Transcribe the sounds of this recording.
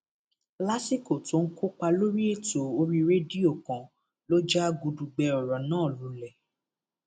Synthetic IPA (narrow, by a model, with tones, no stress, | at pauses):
la˦si˦˨ko˨tõ˨˦kʰo˦k͡pa˧lo˦ɾi˦e˦˨to˨o˧ɾi˧ɾe˦di˦o˦˨kã˨ | lo˦d͡ʒa˦ɡu˧du˧ɡ͡bɛ˧ɔ˨ɾɔ˨nãː˦˨lu˨˦lɛ˨